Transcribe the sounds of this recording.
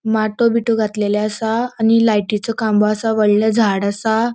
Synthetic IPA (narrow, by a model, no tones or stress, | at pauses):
maʈobiʈoɡʱat̪leleasaːñilajʈit͡sɔkãmbɔəsaʋəɭləd͡zʱaɽasa